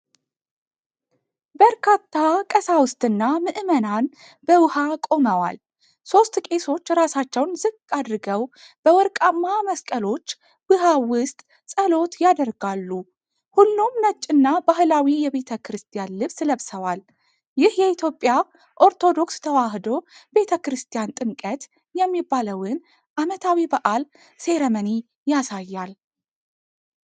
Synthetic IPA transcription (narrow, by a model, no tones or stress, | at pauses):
bəɾkʰat̪ʰːakʼəsawʊst̪ʼɨnːamɨʔɨmənan | bəwɨhakʼo̞məwa̰l | so̞st̪kʼe̞so̞t͡ʃːɾasat͡ʃːɛwnzɨkʼːad̪ɾɨɡəw | b̥əwɔɾkʼamːaməskʼəlo̞t͡ʃː | b̥ɨɦawʊst̪ʼ | sʼəlo̞t̪jad̪əɾɡalːu | hulːumnət͡ʃʼːɨnːabahɨlawijɛβe̞t̪ʰəkʰɾɨst̪ʰijanlɨβsləβsəwal | jɪhjɛit̪ʰjo̞pʼːja | ʔo̞ɾt̪ʰo̞d̪o̞kst̪ʰəwaɦd̪o̞b̥e̞t̪ʰəkɨɾɨst̪ʰijant̪ʼɨmkʼət̪ | jɛmːibːaləwɨn | ʔamət̪ʰawibəʔʼal | se̞ɾəməni | jasajːal